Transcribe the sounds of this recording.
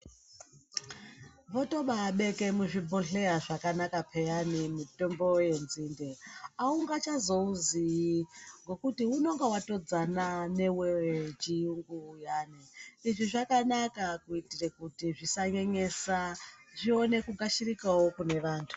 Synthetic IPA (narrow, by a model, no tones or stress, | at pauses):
ʋoto̞ɓaːɓe̞ke̞muʐibʱoɬe̞aʐakanakapʰejanimito̞mbo̞je̞nzindeauŋɡat͡ʃazo̞uziiŋɡo̞kutiuno̞ŋɡawato̞d͡zanane̞wewt͡ʃijuŋɡuːjaːniiʐiʐakanakakuitirekutiʐisaɲeɲe̞saʐio̞ne̞kuɡaʃirikawokune̞ʋaːntʰu̥